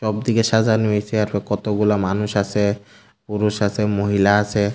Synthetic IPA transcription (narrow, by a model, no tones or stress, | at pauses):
ʃɔb̚d̪ikeʃad͡ʑanoet͡ɕʰiaɾbekɔt̪oɡulamanuʃat͡ɕʰe | puɾuʃasʰemoɦilaasʰe